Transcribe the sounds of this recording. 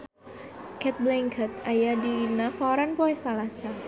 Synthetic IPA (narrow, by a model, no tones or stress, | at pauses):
kɛt̪̚blɛŋkʰət̪ajadiinakɔɾanpoɛsalasa